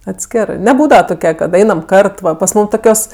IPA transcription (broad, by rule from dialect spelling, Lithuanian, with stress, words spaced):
ɐtʲˈsʲkʲæːrɜ nʲɛˈbuːdɐʋɐ toːˈkʲɛ kɐt ˈɐɪnɐm ˈkɐrt pɐs ˈmuːm ˈtoːkʲoːs